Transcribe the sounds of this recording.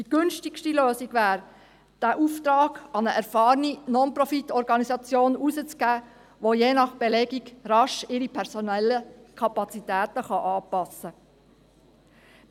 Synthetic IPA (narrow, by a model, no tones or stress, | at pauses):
d̥iɡ̥ʏnʃtɪkʃtiløːsiɡ̥ʋæːɾ | d̥æʔuft̪ɾɑːɡ̥ɑnəʔæɾfɑːɾninɔnprɔfitːɔɾɡɑnisɑt͡sjoːnusət͡sɡ̥æː | ʋojeːnɑχb̥ɛlɛɡiɡɾɑʃɪɾipʰɛɾsonɛlːəkʰɑpɑt͡sit̪æːtəχɑʔɑːpɑsːə